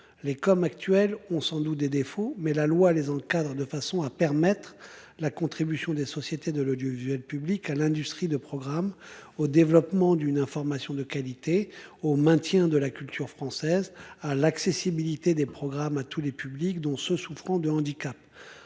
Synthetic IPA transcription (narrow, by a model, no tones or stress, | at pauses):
lekɔmak̚t̪ɥɛlɔ̃sɑ̃d̪ut̪̚d̪ed̪efomɛlalwalezɑ̃kad̪ʁd̪əfasɔ̃apɛʁmɛt̪χ | lakɔ̃t̪χibysjɔ̃d̪esɔsjet̪ed̪əlɔd̪jovizɥɛlpyblikalɛ̃d̪yst̪χid̪əpχɔɡʁamod̪evlɔpmɑ̃d̪ynɛ̃fɔʁmasjɔ̃d̪əkalit̪eomɛ̃t̪jɛ̃d̪əlakʲylt̪ʰyʁfχɑ̃sɛzalaksesibilit̪ed̪epχɔɡʁamat̪ʰulepyblikd̪ɔ̃søsufχɑ̃d̪əɑ̃d̪ikap